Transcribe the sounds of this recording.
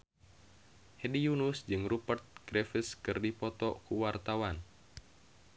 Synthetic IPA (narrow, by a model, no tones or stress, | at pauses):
hedijunusd͡ʒɨŋrupərt̪̚ɡ̥ɾefiskɨrdipɔt̪ɔkuwart̪awan